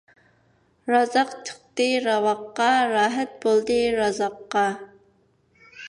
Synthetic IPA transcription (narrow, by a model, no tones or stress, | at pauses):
rɑzɑqt̪ʰə̥q̚t̪ɨɾɑwɑqːɑɾɑːɦɛt̪̚bolˠd̪ɨɾɑzɑqːɑ